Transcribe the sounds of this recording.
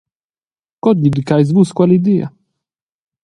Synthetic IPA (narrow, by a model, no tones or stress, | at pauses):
kɔd̪ʎid̪ikajzvuskwalid̪ia̰